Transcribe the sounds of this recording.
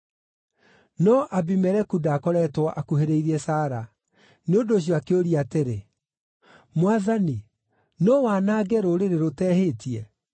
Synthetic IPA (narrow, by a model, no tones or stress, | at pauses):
nɔʔabimɛɾɛkudaːkɔɾɛtwɔʔakuheɾeiɾɛsaːɾa | neodoɕ̬iɔakeoɾiateɾe | mwaðani | nɔwanaːɡɛɾoɾeɾeɾotɛːhetiɛ